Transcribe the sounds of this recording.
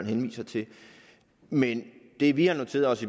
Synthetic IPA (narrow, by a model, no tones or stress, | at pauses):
n̩ɦenʋḭːsɐt͡sʰe̝ | mend̥e̝ʋihɑ̈no̝t͡sʰe̝̰ːɐɒ̽si